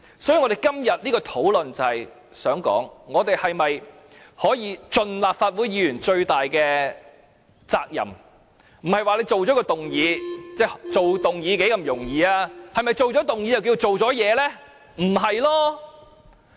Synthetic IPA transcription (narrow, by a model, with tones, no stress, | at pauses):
sɔː˨˥jiː˧ŋɔː˨˧e˨jkɐ˥mjɐ˨t̚liː˥kɔː˧t̪ʰo˨˥wlɵ˨nt͡sɐ˨˩hɐ˨j | sœː˨˥ŋkɔ̰ː˨˥ŋŋɔː˨˧t̪e˨jhɐ˨jmɐ˨j | hɔː˨˥jiː˨˧t͡ʃɵ˨nlaː˨p̚faː˧t̚wuː˨˥jjiː˨˧jyː˨˩nt͡ʃɵ˧ɥt̪aː˨jkɛː˧ | t͡saː˧k̚jɐ̰˨˩m | m̩˨˩hɐ˨jwaː˨˧le˨˧jt͡so˨wt͡ʃɔ˨˥kɔː˧t̪ʊ˨ŋjiː˨˧˥t͡sɛː˥˩t͡so˨wt̪ʊ˨ŋjiː˨˧˥ke˨˥jkɐ˧˥mjʊ˨˩ŋjiː˨˧aː˧hɐ˨jmɐ˨jt͡ʃo˨wt͡ʃɔː˨˥t̪ʊ˨ŋjiː˨˥jɐ˨wk̬iː˧wt͡so˨wt͡sɔː˨˥jɛː˨˧lɛː˥ | m̩˨˩ɦɐ˨jlɔː˥